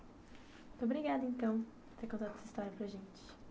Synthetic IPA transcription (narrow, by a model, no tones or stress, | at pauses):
m̃t̪obɾiɡad̪ẽnt̪ɐ̃w̃ | ɾt̪eɾkõnt̪ad̪ʊd̪sist̪ɔɾɐ̃pɾɐʒẽnt͡ʃ̪ɪ̥